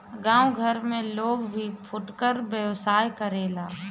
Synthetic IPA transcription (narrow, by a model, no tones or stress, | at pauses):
ɡãːuɡʱəɾmẽloːɡbʱipʰʊʈkəɾbjəʋsaːjkəɾeːlaː